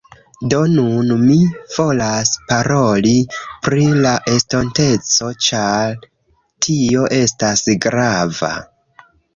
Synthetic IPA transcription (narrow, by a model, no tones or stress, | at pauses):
do̞nunmiv̥o̞laspaɾo̞lipɾilaʔe̞sto̞nte̞t͡so̞t͡ʃaɾ | tʰio̞ʔe̞stasɡɾava̰